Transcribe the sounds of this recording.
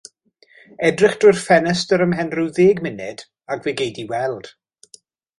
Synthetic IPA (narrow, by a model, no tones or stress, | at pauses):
ɛdrɪχd̥rʊjrfɛnɛstəɾəmɦɛnrɪwðeːɡmɪnɪ̰d̥ | aɡveːɡejdiwɛlˠd̥